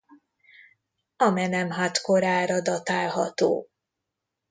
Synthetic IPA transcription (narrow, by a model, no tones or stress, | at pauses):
ɒmɛnɛmɦat̪koɾaːɾɒd̪ɒt̪aːlɦɒt̪o̰ː